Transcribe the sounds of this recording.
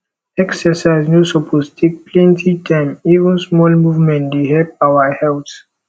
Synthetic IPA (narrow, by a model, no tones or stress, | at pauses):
ɛksɛsajznusɔpʰostʰek̚plɛ̃ntʰitʰãɪ̃mivə̃nsmɔlmuvmɛ̃ntdeɦɛlpawəhɛlt